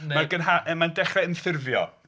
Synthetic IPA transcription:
maɡənɦaəmandɛχrɛənθɪrvjɔ̰

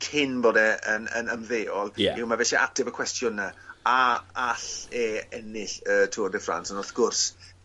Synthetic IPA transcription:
kʰɪnboːdɛənə̰nəmðeːɔlˠiwmavɛʃiʔa̰k̚tʰɪvəkʰwɛstʰjʊnaaaɬeɛnɪɬətʰuːrdɛfra̰nsɔnɔrθɡ̥ʊrs

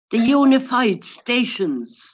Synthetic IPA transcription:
ðəjunɪfaɪd̥steɪʃə̃nz̥

